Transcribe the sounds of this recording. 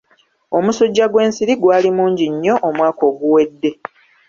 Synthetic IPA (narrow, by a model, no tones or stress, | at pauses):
o̞musuɟːaɡwe̞ːnsiɾiɡwaːlimuːɲɟiɲːo̞ʔomwaːko̞ːɡuwe̞dːe̞